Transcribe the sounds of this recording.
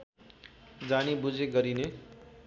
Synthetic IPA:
d͡zañibud͡zeɡʌɾine

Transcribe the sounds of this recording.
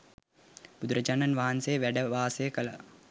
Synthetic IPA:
b̥ud̪uɾəd͡ʒaːnanʋaɦansejːʋæɖəʋaːsəjəkəla̰

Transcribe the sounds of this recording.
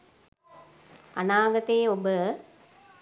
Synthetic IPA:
a̰naːɡɐt̪ejːobə

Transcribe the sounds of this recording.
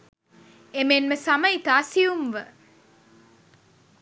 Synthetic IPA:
emenməsaməit̪aːsiumʋə

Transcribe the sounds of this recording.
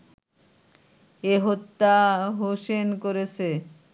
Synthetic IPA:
eɦot̪ːaɦoʃenkoɾet͡ɕʰe

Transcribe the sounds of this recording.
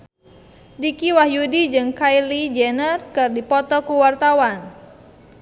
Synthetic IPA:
dikiwahjudid͡ʒɨŋkaijlid͡ʒɛnərkɨrdipɔt̪ɔkuwart̪awan

